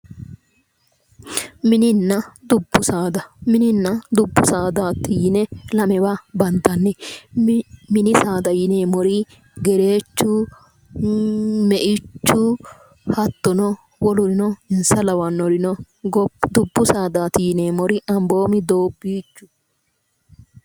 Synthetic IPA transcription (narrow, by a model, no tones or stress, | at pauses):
mɪnɪnːɐd̪ʊbːʊsaːd̪ɐmɪnɪnːɐd̪ʊbːʊsaːd̪aːt̪ːɪjɪnɛlɐmɛbɐbɐnd̪ɐnːɛ | mɪnɪsaːd̪ɐjɪneːmɔɾɪ | ɡɛɾe̞ːt͡ʃːʊ | mɛʔɪt͡ʃːʊ | hɐt̪ːɔnɔ | wɔlɔɾɪnɔɪnsɐlɐwɐnːɔɾɪnɔ | ɡɔd̪ʊbːʊsaːd̪aːt̪ijneːmɔɾɪʔɐmbo̞ːmɪd̪oːbːiːt͡ʃːʊ̥